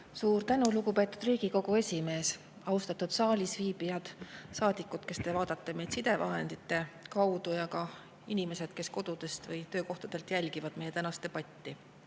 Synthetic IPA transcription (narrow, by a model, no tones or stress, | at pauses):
suːɾt̪ænulukupe̞ːt̪ːˑud̪̥riːɡ̥iko̞ɡue̞sʲime̞ːs | ɑust̪ɑt̪ːud̪̥sɑːlʲisviːbijɑd̪̥sɑːd̪̥ikːˑut̪ke̞st̪e̞vɑːd̪̥ɑt̪ˑːe̞mejd̪̥sid̪e̞vɑ̰ɦe̞nd̪it̪ːˑe̞kɑwd̪ujɑkɑ | inime̞se̞d̪̥ke̞sko̞d̪ud̪̥e̞st̪vɯjt̪øːko̞ht̪ɑd̪̥e̞lt̪jælʲɡivɑd̪̥̚me̞jet̪ænɑst̪e̞pɑt̪ʲːi